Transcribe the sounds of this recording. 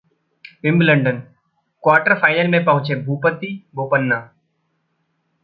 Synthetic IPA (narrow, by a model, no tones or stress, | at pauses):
ʋɪ̃mbləɳɖən | kwaːʈəɾfʰaːɪnəlmẽpəɦʊ̃t͡ʃeːbʱuːpət̪iːbʱoːpənːaː